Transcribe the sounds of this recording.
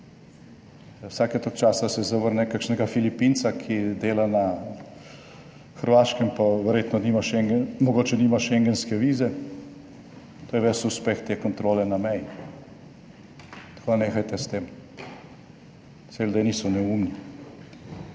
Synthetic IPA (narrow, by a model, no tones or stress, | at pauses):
wsaːkɛt̪okt͡ʃaːsasɛzaʋəɾnɛkakʃnɛɡafilipint̪sakʰid̪eːlana | xəɾʋaːʃkɛmpaʋɛɾjeːt̪nɔniːmaʃɛŋɡɛmɔɡoːt͡ʃɛniːmaʃɛŋɡɛnskɛʋiːzɛ | t̪oːjɛʋɛsuspext̪ekɔnt̪ɾoːlɛnamɛji | t̪koːd̪aneːxajt̪ɛst̪eːm | seld̪eniːsɔnɛumni